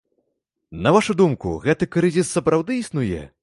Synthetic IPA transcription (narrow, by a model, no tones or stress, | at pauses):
nɐvaʂud̪umkṵɣɛt̪ɨkɾɨzʲisːɐpɾawd̪ɨisnujɛ̰